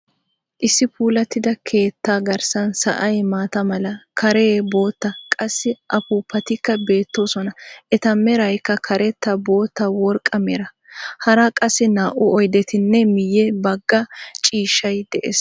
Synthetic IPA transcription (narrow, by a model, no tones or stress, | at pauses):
ʔɪsːɪpʰuːlɐt̪ːɪd̪ɐkʰe̞ːt̪ːaːɡɐɾsɐnsɐ̰ʔɐjmaːt̪ɐmɐlɐkʰɐɾeːbo̞ːt̪ːɐkʼɐsːɪʔɐpuːpːɐt̪ɪkːɐbe̞ːt̪ːo̞ːsɔnɐʔɛt̪ɐmɛɾɐjkːɐkʰɐɾɛt̪ːɐbo̞ːt̪ːɐwɔɾkʼːɐmɛɾɐ | hɐɾɐkʼɐsːɪnaːʔʊɔjd̪ɛt̪ɪnːɛmɪjːɛbɐɡːɐt͡ʃʼiːʃːɐjd̪ɛʔḛːs